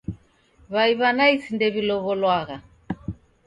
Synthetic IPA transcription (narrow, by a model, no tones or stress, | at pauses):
βaiβanaisindɛβilɔβɔlwaɣa